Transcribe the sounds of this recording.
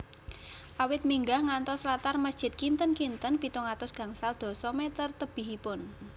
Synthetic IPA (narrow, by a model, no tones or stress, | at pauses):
ʔawɪt̪̚miŋɡahŋant̪ɔslat̪arməsd̥ʒ̥ɪ̤t̪̚kint̪ənkint̪ənpit̪ɔŋat̪ʊsɡ̥ä̤ŋsald̪̥ɔ̤sɔmɛt̪ərt̪əb̥i̤ɦipʊn